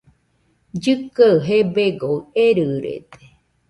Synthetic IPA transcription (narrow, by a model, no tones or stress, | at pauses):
d͡ʒɨkaɦebeɡoeɾɨɾḛt̪e̥